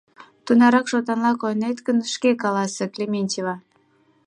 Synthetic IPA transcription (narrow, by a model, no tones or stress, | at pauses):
t̪unɑɾɑkʃot̪ɑnlɑkojnet̪kənʃkekɑlɑseklʲemʲenʲtʲevɑ